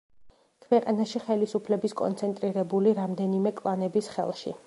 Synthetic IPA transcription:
kʰwɛqʼanaʃiχɛlisupʰlɛbiskʼɔ̰nt̪sʰɛnt̪ʼɾiɾɛbuliɾamd̪ɛnimɛkʼlˠanɛbisχɛ̰lˠʃḭ

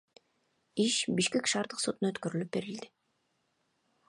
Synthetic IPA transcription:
iʃbiʃke̞kʃɑːɾd̪ɯqsot̪unø̞t̪køɾylyp̚be̞ɾild̪ɪ

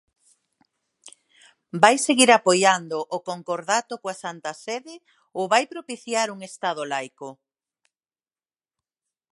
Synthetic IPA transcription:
bajseɣiɾapojand̪oʔokoŋkoɾðat̪okoasant̪aseðe | oβajpɾopiθjaɾuŋest̪að̞olajko

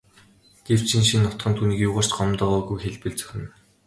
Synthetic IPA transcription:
ɡ̥ew̥t͡ɕʰĭnʃinːʊt̪χə̆nt̪ʰuːniːkjʊːʁaːr̥t͡ɕɢɔmt̪ɔːʁɔːɣujxeɮpɘ̆ɮt͡sœ̥xʲɪ̆n

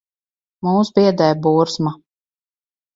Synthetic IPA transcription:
muːsbiɛd̪ɛjbuːɾsma

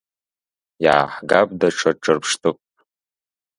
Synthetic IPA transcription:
ja̰ːħɡab̚ʼdaʈ͡ʂʰɐʈ͡ʂʰʼɨrpʰʂtʰɨkʷʼtʼ

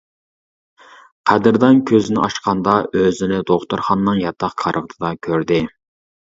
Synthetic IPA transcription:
qʰæd̪ɪɾd̪ɛnkʲʰøzɪnɪ̰ʔɑʃqʰɑnd̪ɑʔøzɪnɪd̪oχt̪uɾχɑnːɨŋjɑt̪ʰːɑqkʰɑɾʔɨʁt̪ʰɨd̪ɑkʲʰøɾd̪ɪ

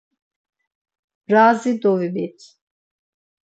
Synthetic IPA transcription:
bɾaːzid̪ɔvibit̪ʰ

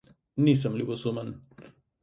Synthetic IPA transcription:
nisɐmlibosomɐn

